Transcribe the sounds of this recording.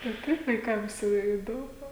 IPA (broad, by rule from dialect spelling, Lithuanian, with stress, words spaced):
tɐɪ ˈtɐɪp ʋɐɪˈkɐms jɛʊ ˈɪ ɪˈdoːmʊ